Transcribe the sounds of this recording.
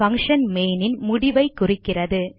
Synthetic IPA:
fɐŋʂɐnmeːnɪnmʊɽɪʋɐɪkːʊrɪkːɪrɐðɯ

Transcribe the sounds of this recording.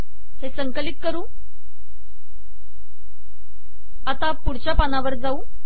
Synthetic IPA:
hesəŋkəlik̪̚kəɾũː | at̪apuɽt͡ɕjapanaʋəɾd͡zauː

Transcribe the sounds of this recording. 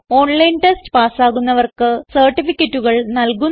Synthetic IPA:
o̞ːɳlɐjnʈestɨ̥paːsaːɣunːɐʋɐrkɨsɐrʈːifikʲːɐtːuɣɐɭnɐlkun

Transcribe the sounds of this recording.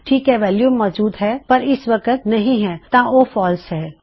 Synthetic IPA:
ʈʰiːkɦɛʋɛːljuːmːɔːd͡ʒuːd̪ɦɛpɐɾɪsʋɐkət̪nɐɦĩɦɛ̃t̪ãoːfɔːlsɦɛː

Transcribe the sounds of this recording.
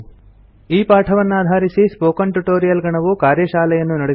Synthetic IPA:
iːpaːʈʰɐʋɐnːuaːd̪ʱaːɾisispoːkɐɳʈuʈoːɾijɐlɡɐɳɐʋukaːɾjɐʃaːlɛjɐnːunɐɽe

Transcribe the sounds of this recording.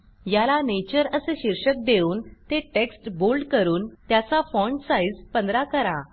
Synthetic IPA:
jalanet͡ɕəɾəseɕiɾɕək̚d̪euːnt̪eʈeksʈbolɖkəɾuːnt̪jat͡safɔɳɖsaid͡zpənd̪ɾakəɾa

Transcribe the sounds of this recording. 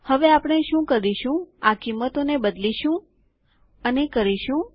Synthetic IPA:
həʋeapɽ̃eʃũkəɾiʃũakimːət̪onebəd̪liʃũ | ənekəɾiʃũ

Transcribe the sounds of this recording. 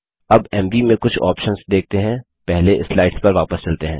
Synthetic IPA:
ɐbɛːmʋimẽkʊt͡ʃʰɔ̰ːpʃənsd̪eːk̚t̪eɦɛ̃ː | pɛɦleʔɪslaːɪʈspɐɾʋaːpəst͡ʃɐlt̪eɦɛ̃ː

